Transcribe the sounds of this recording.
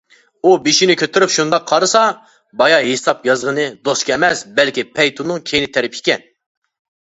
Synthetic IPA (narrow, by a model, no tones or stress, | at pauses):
ubeʃinɪkʲʰøt̪ʰyɾypʃund̪ɑqʰːɑɾɨsɑ | bɑjɑɦesɑpjɑzʁənɨd̪oskʲɛmɛsbɛlkʲipʰɛjt̪ʰunːɨŋkʲʰejinɪt̪ʰɛɾɪpi̥kʲɛn